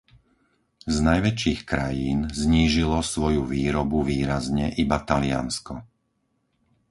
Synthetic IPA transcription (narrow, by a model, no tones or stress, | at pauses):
znajʋɛt͡ʃiːxkɾa̰jiːnzɲiːʒilɔsʋɔjuʋiːɾɔbuʋiːɾazɲɛʔibat̪alɪa̰nskɔ